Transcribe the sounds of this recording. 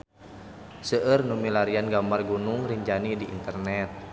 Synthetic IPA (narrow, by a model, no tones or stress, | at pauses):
səʔərnumilaɾianɡambarɡunuŋriɲd͡ʒanidiʔḭnt̪ərnɛt̪̚